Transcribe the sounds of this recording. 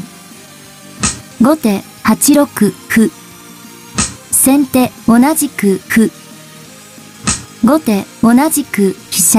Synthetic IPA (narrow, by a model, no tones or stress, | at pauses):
ɡo̞t̪e̞ | hat͡ɕiɾo̞kɯ̟hɯ | sẽ̞nt̪e̞o̞naʑikɯ̟hɯ̟ | ɡo̞t̪e̞o̞naʑikɯ̟çi̥ɕa